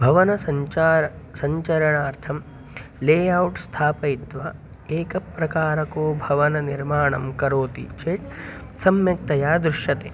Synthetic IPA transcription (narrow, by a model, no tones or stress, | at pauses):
bʱɐʋɐnɐsɐaːɾsɐɲt͡ʃɐɾɐɳaːɾt̪ʰɐm | leːjɐwʈst̪ʰaːpɐit̪ʋa | eːkɐpːɾɐkaːɾɐkoːbʱɐʋɐnɐniɾmaːɳɐmkɐɾoːt̪ḭt͡ʃeːt̪ | sɐmjɐk̚t̪ɐjaːd̪ɾuʃjɐt̪eː